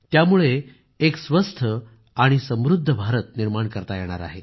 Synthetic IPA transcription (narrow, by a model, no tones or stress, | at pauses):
t̪jamuɭeː | ksʋəst̪ʰə | aɽ̃isə̃mʋɾud̪ʱːəbʱaɾət̪̚niɾmaɳkəɾt̪ajeɽ̃a̰ɾa̰ɦe